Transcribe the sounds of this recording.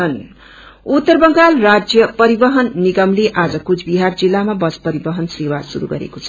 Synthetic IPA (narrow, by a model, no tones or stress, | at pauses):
ʌn | ut̪ːʌrbʌŋɡalrad͡zjʌpʌɾibʌɦʌnːiɡʌmleʔad͡zʌkut͡sʰbiɦard͡zilːamabʌspʌɾibʌɦʌnsrewasuɾṵɡʌ̰ɾḛkot͡sʰʌ